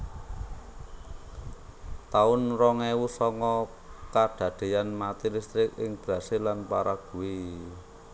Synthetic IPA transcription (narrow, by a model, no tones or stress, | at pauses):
t̪aʊnrɔŋewusɔŋkɔ | kaɖ̥ä̤ɖ̪̥e̤janmat̪ilist̪ɾɪk̚ɪ̰ŋb̥ɾa̤selanpaɾaɡ̥ṳwi